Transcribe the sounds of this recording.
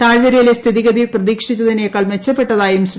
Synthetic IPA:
t̪aːɻʋɐɾijilest̪ʰiðiɣɐðiprɐðiːkʂit͡ɕːɐðinekɐlmet͡ɕːɐpːe̞ʈːɐðaːjums

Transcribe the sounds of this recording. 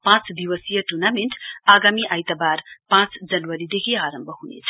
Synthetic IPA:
pãt͡sd̪iwʌsijʌʈurnameɳʈaɡamiʔajt̪abarpãt͡sd͡zʌnwʌɾid̪ekʰiaɾʌmbʱʌɦunḛt͡sʰʌ̥

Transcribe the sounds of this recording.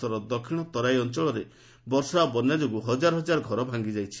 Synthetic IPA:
ɔɾɔd̪ɔkʰiɽ̃ɔt̪ɔɾajɔnt͡ʃɔɭɔɾe | bɔɾsɔaabɔnjad͡ʒoɡuɦɔd͡ʒaɾɔɦɔd͡ʒaɾɔɡʱɔɾɔbʱaŋɡid͡ʒajt͡ʃʰi̥

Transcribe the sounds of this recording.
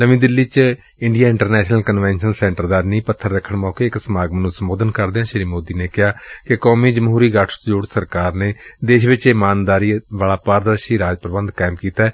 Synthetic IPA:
nəʋĩːd̪ɪlːiːt͡ʃ | ɪɳɖijaːɪ̃ɳʈəɾnɛːʃnəlkənʋɛ̃ːnʃənsɛ̃ːɳʈəɾd̪aːnĩːpət̪ʰːəɾːəkʰːəɳmɔːkeːɪksəmaːɡmənũːsəmboːd̪ənkəɾd̪eːãːʃɪɾiːmoːd̪iːneːkɪɦaːkɪkɔːmiːd͡ʒəmɦuːɾiːɡəʈʰd͡ʒoːɽsəɾkaːɾneːd̪eːʃʋɪt͡ʃɪmaːnd̪aːɾiːʋaːlaːpaːɾd̪əɾʃiːɾaːd͡ʒpɾəbənd̪kaːɪmkiːt̪aɛː

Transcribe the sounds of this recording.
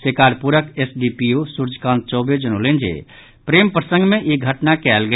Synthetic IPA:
sekaːɾpuɾəkesɖipijosuɾd͡ʒkãnt̪̚t͡ʃɔːbed͡ʒənolend͡ʒḛ | pɾeːmpɾəsə̃ŋɡmẽʔiɡʱəʈnakɛːlɡə

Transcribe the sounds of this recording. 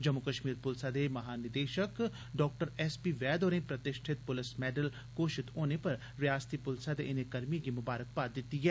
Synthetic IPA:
d͡ʒɐmːʊkəʃmiːɾpʊlsad̪emɐɦaːnɪd̪eːʃək | ɖɔːk̚ʈəɾɛːspiʋɛːd̪oːɾẽpɾɐt̪ɪʃʈʰɪt̪̚pʊlɪsmɛːɖəl | koːʃɪt̪ɦoːnepɐɾ | ɾɪjaːst̪ipʊlsad̪eʔɪnekɐɾmiɡimʊbaːɾək̚paːd̪ɪt̪iɦɛː

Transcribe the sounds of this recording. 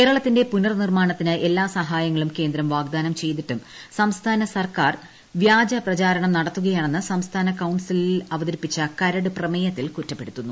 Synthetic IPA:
kkeːɾɐɭɐt̪ːindepunɐrnirmaːɳɐt̪ːinɨʔe̞lːaːsɐɦaːjɐŋːɐɭumke̞ːnd̪ɾɐmʋaːɡ̚d̪aːnɐmt͡ɕe̞jt̪iʈːum | sɐmst̪ʰaːnɐsɐrkaːr | ʋjaːd͡ʑɐprɐt͡ɕaːɾɐɳɐmnɐɽɐt̪ːuɣɐjaːɳenːɨsɐmst̪ʰaːnɐkɐwɳsililɐʋɐðɐɾipːit͡ɕːɐkɐɾɐɽuprɐmejɐt̪ːilkutːɐpːe̞ɽut̪ːunːu

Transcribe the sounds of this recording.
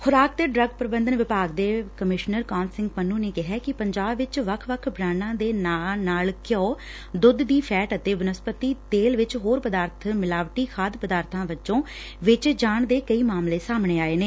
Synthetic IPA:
xʊɾaːk̚d̪eːɖɾəɡpɾəbənd̪ənʋɪpaːɡd̪eːkəmɪʃnəɾkaːnsɪ̃ŋɡpənːũːneːkɪɦɛːkɪpəɲd͡ʒaːbʋɪt͡ʃʋəkʰʋəkʰbɾaːnãːd̪eːnaːnaːlkjoː | d̪ʊd̪ːiːpʰɛːʈət̪eːʋʊnəspət̪iːt̪eːlʋɪt͡ʃɦoːɾpəd̪aːɾt̪ʰmɪlaːʋʈiːkʰaːd̪pəd̪aːɾt̪ʰãːʋɪt͡ʃõː | ʋɪt͡ʃd͡ʒaːɳd̪eːkəiːmaːmleːsaːmɳeːaːeːneː

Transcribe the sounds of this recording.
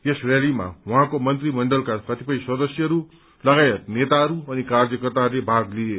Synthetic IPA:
esrelima̰ɦwũɦãkomʌnt̪rimʌɳɖʌlkakʌt̪ipʌĩswʌd̪ʌsjʌɦʌɾu | lʌɡajet̪̚net̪aʌɾuʌnikard͡zʌkʌrt̪arlebʱaɡlie

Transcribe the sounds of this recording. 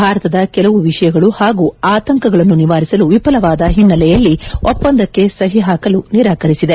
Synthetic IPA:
bʱaːɾɐt̪ɐd̪ɐkɛlɐʋuʋiʂɐjɐɡɐɭuhaːɡuaːt̪ɐŋkɐɡɐɭɐnːuniʋaːɾisɐluʋipɐlɐʋaːd̪ɐɦinːɐlɛjɐlːiɔpːɐnd̪ɐkːe̞sɐɦiɦaːkɐluniɾaːkɐɾisid̪e̞

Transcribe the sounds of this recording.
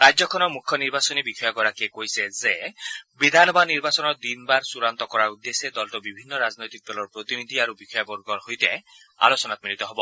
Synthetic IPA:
ɾad͡ʒɔkʰɔnɔmukʰːjɔniɾbasɔnibikʰɔjɔɡɔɾakiekojsezebid̪ʱanɔbaniɾbasɔnɔɾd̪inbaɾsuɾant̪ɔkɔɾaud̪ːesed̪ɔlʈɔbibʱinːɔɾaznojt̪ik̚d̪ɔlɔɾpɾot̪inid̪ʱiaɾubikʰɔjɔbɔɾɡɔɾɦojt̪e | a̰lɔsɔnat̪ɔmiɾit̪ɔɦɔbɔ

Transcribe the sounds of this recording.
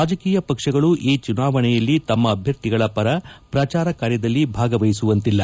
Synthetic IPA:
aːd͡ʒɐkiːjɐpɐkʂɐɡɐɭuʔiːt͡ʃunaːʋɐɳɛjɐlːit̪ɐmːɐːbʱjɐɾt̪iɡɐɭɐpɐɾɐpɾɐt͡ʃaːɾɐkaːɾjɐd̪ɐlːibʱaːɡɐʋɐjisuʋɐnt̪ilːɐ

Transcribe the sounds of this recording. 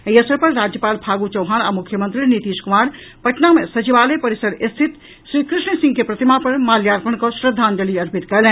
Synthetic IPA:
eiəsəɾpɐɾːaːd͡ʒjəpaːlbʱaːɡut͡ʃɐʊɦaːñamʊkʰjəmə̃nt̪ɾinit̪iːʃkʊmaːɾ | pɐʈnamẽsɐt͡ʃiʋaːlepɐɾɪsəɾɪst̪ʰɪt̪ | ʃɾiːkɾɪʃɳisɪ̃ŋɡkepɾɐt̪imapɐɾmaːljaːɾpənkosɾəd̪ʱaːnd̪əliɐɾpɪt̪kɛlɛ̃

